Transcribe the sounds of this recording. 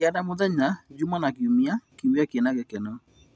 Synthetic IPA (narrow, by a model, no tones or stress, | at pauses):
adamoðɛɲad͡ʒumanakiumiakiumiakiɛnaɣɛkɛnɔ